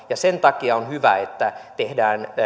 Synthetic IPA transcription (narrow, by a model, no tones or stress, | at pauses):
jɑsent̪ɑkiɑonhyʋæ̰et̪ːæt̪ehdæːn